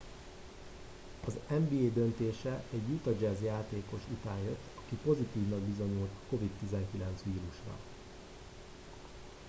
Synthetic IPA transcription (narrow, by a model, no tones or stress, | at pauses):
ɒzɛmbiːeːd̪ønt̪eːʃɛʔɛɟjut̪ɒd͡ʒɛzjaːt̪eːko̞ʃut̪aːnjøt̪ːɒkipo̞zit̪iːvnɒɡbizo̞ɲult̪kovit̪ːizɛŋkilɛnt̪sʋiːɾuʃrɒ̰